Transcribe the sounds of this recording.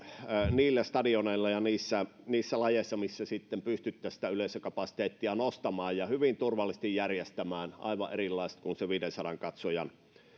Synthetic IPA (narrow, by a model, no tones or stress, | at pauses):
niːlːæst̪ɑdioneˑilːɑjɑniːsːæniːsːælɑjeˑsːɑmisːæsit̪ːempyst̪yt̪ːæːsi̥t̪æyleˑisøkɑpɑsi̥t̪eːt̪ːiɑnost̪ɑmɑːjjɑhyʋint̪urʋɑlːis̆t̪ijjærjest̪æmæːnʔɑ̰ˑiʋɑ̰ʔerilːɑˑist̪kunseʋiːdensɑɾɑŋkɑt̪sojɑn